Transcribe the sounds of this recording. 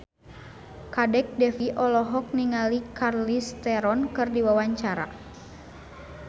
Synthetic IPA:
kadɛk̚dɛfiʔɔlɔɦɔk̚niŋalikarlist̪ɛɾɔnkɨrdiwawaɲt͡ʃaɾa̰

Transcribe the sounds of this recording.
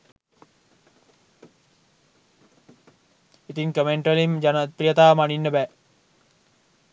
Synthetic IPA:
it̪iŋkəmeɳʈelimd͡ʒanɐt̪ːɾijət̪aːmaninːəbæː

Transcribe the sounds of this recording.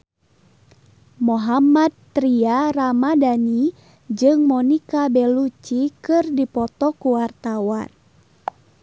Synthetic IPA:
mɔɦamat̪̚ːɾiaramadani | d͡ʒɨŋmɔnikabɛlut͡ʃikɨrdipɔt̪ɔkuwart̪awan

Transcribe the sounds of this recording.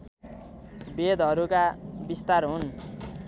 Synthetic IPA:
bed̪ʌɾukabist̪arɦun

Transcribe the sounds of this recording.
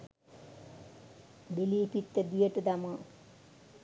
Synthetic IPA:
biliːpit̪ːəd̪ijəʈəd̪amə

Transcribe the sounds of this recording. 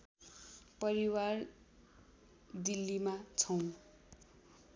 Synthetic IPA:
pʌɾiwar | d̪ilːimat͡sʰʌw̃

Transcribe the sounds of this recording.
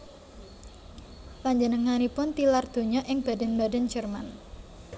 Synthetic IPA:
laɲd͡ʒənəŋanipʊnt̪ilard̪̥o̤ɲɔʔɪŋb̥adɛnbadɛnd͡ʒərman

